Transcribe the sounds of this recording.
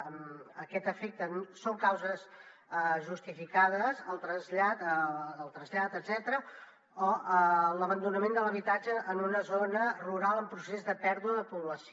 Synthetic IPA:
əkɛt̪əfek̚t̪ənsoŋkawzəs | ʒust̪ifikaðəzəlˠt̪ɾənzʎat̪əlˠt̪ɾənzʎat̪əd̪zɛt̪əɾə | ɔələβənd̪unəmẽnd̪ələβit̪ad͡ʒəʔənunəzonəruɾalˠəmpɾusezðəpɛɾðuəðəpuβləs

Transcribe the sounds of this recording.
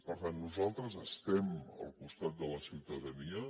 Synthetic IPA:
pəɾt̪anːuzalˠt̪ɾəzəst̪ɛmə̰lˠkust̪at̪̚d̪ələsiwt̪əðəniə

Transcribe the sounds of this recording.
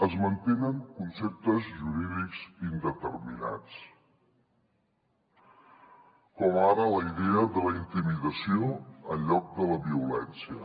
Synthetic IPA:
əzmənt̪enəŋkunsep̚t̪əzʒuɾiðikzind̪ət̪ərmina̰t͡s | kɔmaɾələiðeəðələint̪imiðəsioənʎɔk̚d̪ələβiulɛnsiə̰

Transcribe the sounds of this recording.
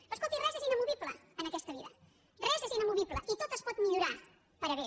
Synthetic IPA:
əskolˠt̪irɛzezinəmuβiplə | ənəkɛst̪əβiðə̰ | rɛzezinəmuβipləʔit̪ot̪əspɔt̪miʎuɾa | pəɾəβe

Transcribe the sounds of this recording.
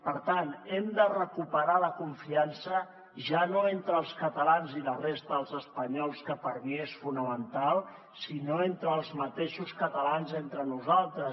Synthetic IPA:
pəɾt̪anɛmd̪ərəkupəɾaləkuɱfiansə | ʒanoent̪ɾəːlˠskət̪əlanzilərest̪əðəlˠzəspəɲɔlˠskəpəɾmiesfunəmənt̪alˠ | sinoent̪ɾəːlˠzmət̪eʃuskət̪əlanzent̪ɾənuzalˠt̪ɾəs

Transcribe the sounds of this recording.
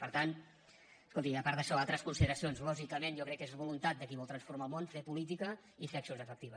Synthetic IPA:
pəɾt̪an | skolˠt̪iəpaɾt̪d̪əʃɔalˠt̪ɾəskunsiðəɾəsionzlɔʒikəmenjɔkɾɛkːezβulunt̪at̪̚d̪əkiβɔlˠt̪ɾənsfuɾmalˠmonfepulit̪ikə | ifeəksionzəfək̚t̪iβə

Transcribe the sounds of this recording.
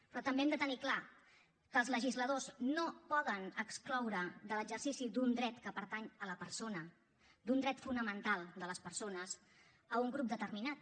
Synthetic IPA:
pɾɔt̪əmbeɛmd̪ət̪ənikla | kəːlˠzləʒizləðoznopɔðənəksklɔwɾəðələɡzərsisid̪und̪ɾɛt̪kəpəɾt̪aɲələpəɾsonə | d̪und̪ɾɛt̪funəmənt̪alˠd̪ələspəɾsonəz | əuŋɡɾup̚d̪ət̪ərminat̪̚

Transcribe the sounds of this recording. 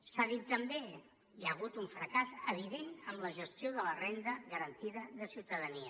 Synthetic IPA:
saðit̪ːəmbe | jaɣ̞ut̪uɱfɾəkazəβ̞iðenəmləʒəst̪joðələrend̪əɣəɾənt̪iðəðəsiwt̪əðəniə

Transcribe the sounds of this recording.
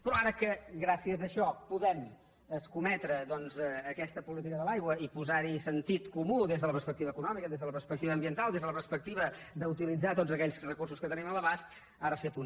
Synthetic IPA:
pɾɔaɾəkəɣɾasiəzəʃɔpuðɛm | əskumɛt̪ɾəðɔnzəːkɛst̪əpulit̪ikəðəlajɣwəipuzaɾisənt̪it̪kumuðezðələpəɾspək̚t̪iβəːkunɔmikəðezðələpəɾspək̚t̪iβəmbiənt̪alˠd̪ezðələpəɾspək̚t̪iβə | d̪əut̪ilid͡zat̪ozəkɛʎzrəkursuskət̪ənimələβast̪ | aɾəsepun

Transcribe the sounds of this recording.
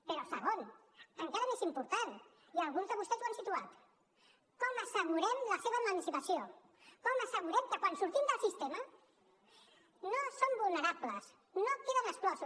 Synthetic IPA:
pəɾɔsəɣon | əŋkaɾəmezimpuɾt̪an | ialɣunzðəβust̪ɛzwansit̪uat̪ | kɔməsəɣuɾɛmləseβ̞əmanisipasio | kɔməsəɣuɾɛmkəkwansuɾt̪imd̪əlˠsist̪emə | nosombulˠnəɾapləs | nokeðənəsplɔsu

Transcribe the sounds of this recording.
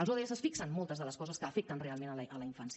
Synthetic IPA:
əlˠzoðeesəsfiksənmɔlˠt̪əzðələskɔzəskəːfɛk̚t̪ənrealˠmenələʔələiɱfəns

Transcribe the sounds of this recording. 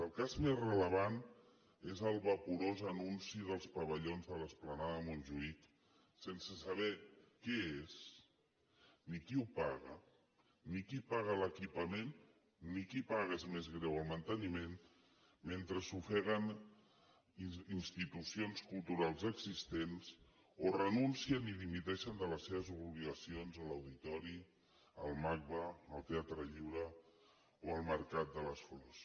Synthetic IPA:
əlˠkazmezrələβ̞an | ezəlˠβəpuɾozənunsiðəlˠspəβəʎonzðələsplənaðəmonʲʒuik̪ | sensəsəβɛkɛes | nikiupaɣə̰ | nikipaɣ̞ələkipəmenː | ikipaɣəezmezɣɾɛwəlˠmənt̪ənimen | ment̪ɾəsufɛɣən | inst̪it̪usionskulˠt̪uɾalˠzəɡzist̪enz | orənunsiəniðimit̪ɛʃənd̪ələsːeβəzuβliɣəsionzələwðit̪ɔɾi | əlˠmaɡ̚βəəlˠt̪eat̪ɾəʎiwɾə | oəlˠməɾkat̪̚d̪ələsflɔs

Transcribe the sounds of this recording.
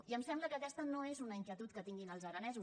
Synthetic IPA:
iəmsɛmbləkəːkɛst̪ənoezunəiŋkjət̪ut̪̚kət̪iŋɡinəlˠzəɾənɛzu

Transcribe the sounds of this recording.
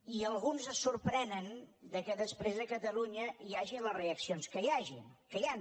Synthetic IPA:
iəlˠɣunzəsːurpɾɛnənd̪əkəðəspɾezðəkət̪əluɲəiaʒiləreəksionskəjaʒḭkəjan

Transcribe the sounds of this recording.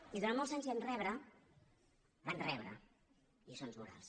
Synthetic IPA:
iðuɾanmɔlˠzaɲzanrɛβɾə | anrɛβɾə̰ | isonzmuɾa̰lˠs

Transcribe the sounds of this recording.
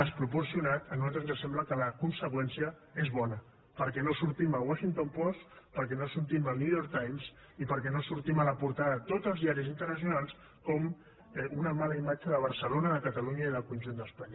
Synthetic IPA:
əspɾupuɾsiunat̪ənuat̪ɾzəsɛmbləkələkunsəkwɛnsiə | ezβɔnə | pəɾkɛnosuɾt̪imbəlwaʃint̪ompɔst̪pəɾkɛnosuɾt̪̬iməlˠnjujoɾk̚t̪ajmz | ipəɾkɛnosuɾt̪imələpuɾt̪aðət̪ot̪əlˠzðiaɾizint̪əɾrnəsjunalˠs | kɔm | ɛunəmaləimad͡ʒəðəβ̞əɾsəlonəðəkət̪əluɲəiðəlˠkunʲd͡ʒund̪əspaɲə

